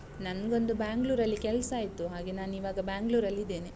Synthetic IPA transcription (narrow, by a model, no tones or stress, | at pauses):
nɐnɡo̞nd̪ubaːŋɡluːɾɐlːikɛlsɐaːjt̪uɦaːɡe̞naːniːʋaːɡɐbaːŋɡluːɾɐlːid̪eːne